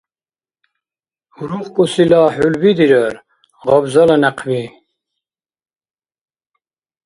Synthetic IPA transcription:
huɾuχkʼusilaːħulbid̪iɾəɾ | ʁabzalanæqʰvi

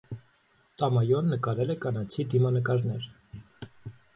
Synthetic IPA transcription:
t̪ɑmɑjɔnːəkɑɾɛlɛkɑnɑt͡sʰid̪imɑnəkɑɾnɛɾ

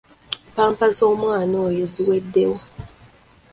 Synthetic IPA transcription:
paːmpazo̞ːmwaːnoːjoziwedːewo

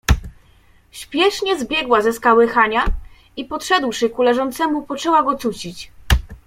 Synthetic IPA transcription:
ɕpʲjɛʂɲɛzbʲjɛɡwazɛskawɘxaɲa | ipɔtʂɛd̪wʂɘkulɛʐɔnt̪sɛmupɔt͡ʂɛwaɡɔt̪sut͡ɕit͡ɕ

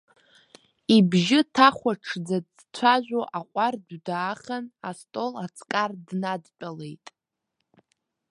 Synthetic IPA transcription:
ibʒɪtʰaχʷaʈ͡ʂʰd͡za | t͡sʷʰaʒᶣʷoʔaqʷʼarddaːχʲanastʼo̞lat͡sʰʼkʼardnadpʼale̞jtʼ

